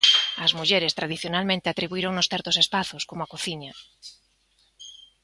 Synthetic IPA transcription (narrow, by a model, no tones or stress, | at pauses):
ɐzmuʎeɾest̪ɾaðiθjonalmẽnt̪eat̪ɾiβuiɾoŋnʊsθɛɾt̪osespaθʊskomʊakoθiɲɐ